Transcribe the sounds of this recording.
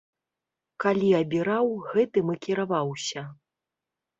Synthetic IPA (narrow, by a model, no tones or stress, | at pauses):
kalʲiɐbʲiɾawɣɛt̪ɨmɨkʲiɾavawsʲɐ